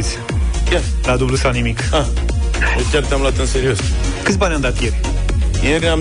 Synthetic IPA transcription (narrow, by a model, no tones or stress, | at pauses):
sj | kɛɾad̪ublusanimika | ewkʲjɛɾk̚t̪amlat̪ɐ̃nseɾioskɨspanʲɐ̃nd̪aɾt̪eɾʲ | eɾam